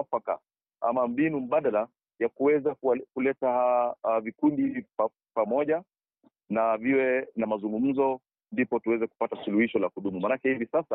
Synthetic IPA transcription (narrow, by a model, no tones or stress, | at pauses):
faka̰ | a̰mambinum̩ɓaɗala | jakuwɛzakkulɛtavikundihivipa | pamɔʄa | naviwɛnamazuŋɡum̩zɔ | ndipɔtuwɛzɛku̥patasuluhiʃɔlakuɗumumanakɛhivisasa